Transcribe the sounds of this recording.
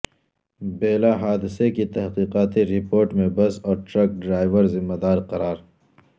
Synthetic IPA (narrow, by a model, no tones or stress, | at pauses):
beːlaɦaːd̪ɪsekit̪ɐɦqiːqaːt̪iɾɪpoːɾʈmẽbɐsɔːɾʈɾɐk̚ɖɾaːjʋəɾzɪmːad̪aːɾqɐɾaːɾ